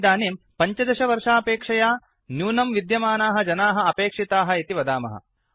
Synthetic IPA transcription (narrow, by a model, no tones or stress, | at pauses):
d̪aːneːm | pɐɲt͡ʃɐd̪ɐʃɐʋɐɾʂaːpeːkʂɐjaː | njuːnɐmʋid̪jɐmaːnaːɦɐ̆d͡ʒɐnaːɦɐ̆ɐpeːkʂit̪aːɦɐ̆it̪iʋɐd̪aːmɐ̰ɦɐ̰